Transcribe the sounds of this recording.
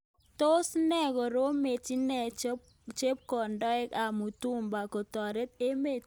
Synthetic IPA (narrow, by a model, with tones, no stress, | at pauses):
to˦snɛ˦kɔ˨ɾo˦me˨ti˦nɛ˦ | t͡ʃe˦p̚kɔ˨ndɔ˦ɛ˦ka˨mu˨tu˦mba˨kɔ˨tɔ˨ɾe˦t̪̚e˦me˦˨